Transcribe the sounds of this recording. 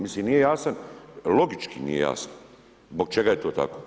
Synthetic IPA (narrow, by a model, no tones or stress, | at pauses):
mislimnije̞jaːsanlˠo̞ɡit͡ʃkinḭjḛja̰ːsan | zbok̚t͡ʃe̞ɡajet̪o̞ːt̪a̰koː